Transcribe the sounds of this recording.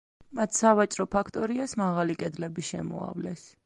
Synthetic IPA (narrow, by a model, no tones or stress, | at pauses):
mat̪ʰsavat͡ʃʼɾɔpʰakʰt̪ʼɔɾiasmaʁalikʼɛd̪lɛbiʃɛmɔ̰a̰vlɛs